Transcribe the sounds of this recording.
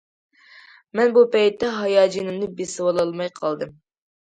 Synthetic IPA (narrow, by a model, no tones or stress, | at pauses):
mɛnbupɛjt̪ːɛɦɑjɑːd͡ʒinɨmnɨbesɨwɑlˠɑlˠmɑjqʰɑlˠd̪ɨm